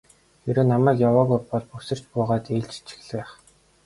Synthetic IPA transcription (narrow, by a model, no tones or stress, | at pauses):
eɾoːnamæːkjawaːɣujpɔɮpusɘ̆r̥t͡ɕpʊːʁaːt̪eːɮt͡ɕi̥t͡ɕʰĭ̥xɮĕχ